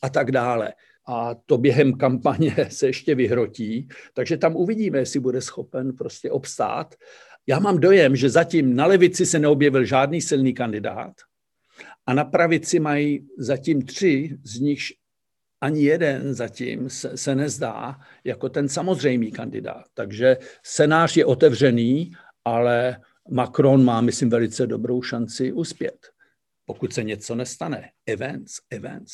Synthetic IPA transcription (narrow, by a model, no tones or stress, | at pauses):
ʔat̪aɡdaːlɛ̰ | ʔat̪o̞bjɛɦɛmkampaɲɛsɛjɛʃcɛvɪɦɾo̞ciːt̪aɡʒɛt̪amʔuvɪɟiːmɛjɛsɪbudɛsxo̞pɛnpɾo̞scɛʔo̞pst̪a̰ːt̪ | jaːmaːmdo̞jɛmʒɛzaciːmnalɛvɪt͡sɪsɛnɛo̞bjɛvɪlʒaːdniːsɪlniːkandɪda̰ːt̪ | ʔanapɾavɪt͡sɪmajizaciːmt̪r̝̥ɪzɲɪxʃ | ʔaɲɪjɛdɛnzacḭːmsɛsɛnɛzda̰ː | jako̞t̪ɛnsamo̞zr̝ɛjmiːkandɪ̰da̰ːt̪ːaɡʒɛt͡sɛnaːr̝jɛʔo̞t̪ɛvr̝ɛniː | ʔalɛ | makɾo̞nmaːmɪslɪmvɛlɪt͡sɛdo̞bɾo̞wʃant͡sɪʔuspjɛ̰t̪ | po̞kut̪sɛɲɛt͡so̞nɛst̪anɛʔɪvɛnt͡sɪvɛ̰nt͡s